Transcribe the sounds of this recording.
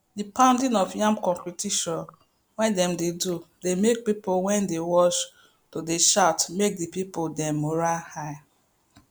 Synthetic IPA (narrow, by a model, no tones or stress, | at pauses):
dipãʊ̃ndĩnɔfjãmkɔ̃mpitiʃɔ̃n | wɛ̃ndɛ̃mdedudemek̚pipowɛ̃ndewɔʃ | todeʃatmek̚dipipodɛ̃mːoɹahaɪ